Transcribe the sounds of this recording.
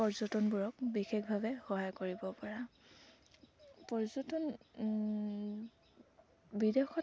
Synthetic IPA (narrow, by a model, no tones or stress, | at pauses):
pɔɹzɔtɔnbuɹɔk̚bixekʰbʱabɛxɔɦajkoɹibɔpɔɹa | pɔɹzɔtɔn | bidexɔ